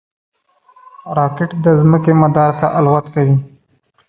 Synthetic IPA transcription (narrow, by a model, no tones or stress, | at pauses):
ɾɑkɪʈd̪əzməkemad̪ɑɾt̪aʔalwat̪kawi